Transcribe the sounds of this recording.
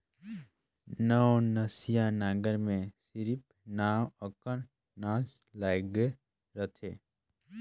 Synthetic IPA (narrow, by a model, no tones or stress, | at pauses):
nəwnəsijanaːɡəɾmẽsɪɾip̚ | naːwəkən | nãːs | lajɡe | ɾət̪ʰeː